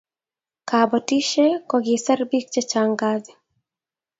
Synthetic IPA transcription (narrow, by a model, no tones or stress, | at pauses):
kabɔtiʃekɔɡisarbik̚t͡ʃɛt͡ʃaŋɡad